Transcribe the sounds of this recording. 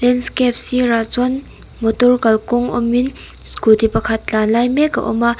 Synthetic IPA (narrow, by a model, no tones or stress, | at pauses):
lɛnskɛp̚sirat͡sɔn | mɔt̪ɔrkalkɔŋɔ̰mːin | skut̪ipakʰat̪̚t͡ɬanlajmɛka̰ʔɔ̰maʔ